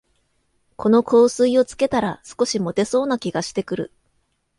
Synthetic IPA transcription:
kʰo̞no̞kʰo̞ːsɨio̞t͡sɨ̥ke̞t̪aɾasɨ̥ko̞ɕimo̞t̪e̞so̞ːnakʲiɡaɕi̥t̪e̞kɯ̟ɾɯ̰

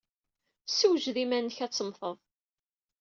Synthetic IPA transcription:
suwʒðimænːəçæt͡sːəmθəðˤ

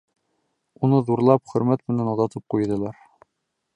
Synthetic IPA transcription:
unɤðuɾlˠɑpχɵ̆ɾmæt̪mɘ̆nænɒzɑt̪ɤp̚qujd̪ɤ̆lˠɑɾ

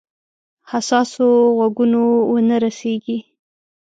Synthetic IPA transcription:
hasɑsoɣwaɡunowənaɾaseɡi

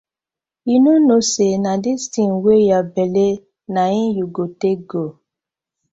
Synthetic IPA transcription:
inũnõsenãdistĩn̩wejabele | nãĩjuɡoteɡo

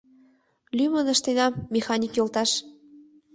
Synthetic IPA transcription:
lymənə̆ʃt̪enɑːexɑnʲikjolt̪ɑʃ

